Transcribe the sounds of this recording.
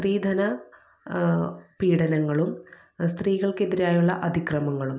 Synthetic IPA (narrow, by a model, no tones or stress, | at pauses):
riːd̪ʱɐnɐ | piːɽɐnɐŋːɐɭum | st̪riːɣɐɭke̞ðiɾaːjuɭːɐʔɐd̪ʱikrɐmɐŋːɐɭum